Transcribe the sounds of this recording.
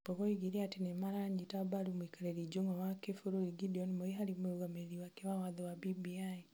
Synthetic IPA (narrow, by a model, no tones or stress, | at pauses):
pɔβoiɡiɾiatinemaɾaɲitabaɾumwikaɾeɾid͡ʒoŋawakefuɾuiɡidiɔnimoiɦaɾimuɾuɣameɾiwakewawaðɔwabibiai